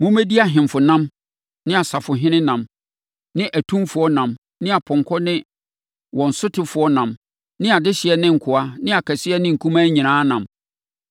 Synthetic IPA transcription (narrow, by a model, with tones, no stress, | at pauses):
mʊ̃˦mæ˦di˦a˨ɦɪ̃˨mfʊ˨nã˦m | nɪ̃˦a˨sa˨fʊ˨ɦɪ̃˦nɪ̃˦nã˨m | nɪ̃˦ʔæ˨tʰũ˦mfʊ˨ɔ˦nã˨m | nɪ̃˦a˨pʰɔ̃˨ŋ˨kʰɔ˦nɪ̃˦ | wɔ̃˨n̩˨sʊ˦tʰɪ˨fʊ˨ɔ˦nã˨m | nɪ̃˦a˨dɪ˦ɕɪ˨ɛ˦nɪ̃˦ŋ̩˨kʰʊ˨a˦nɪ̃˦a˨kʰæ˨sɪ˦ɛ˦nɪ̃˦ŋ̩˨kʰũ˦mãː˦ɲĩ˨nãː˦nã˨m